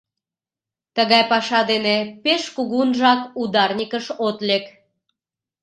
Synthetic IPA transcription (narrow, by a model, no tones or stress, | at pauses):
t̪əɣɑjpɑʃɑd̪enepeʃkuɣunʒɑkud̪ɑrnʲikəʃot̪lek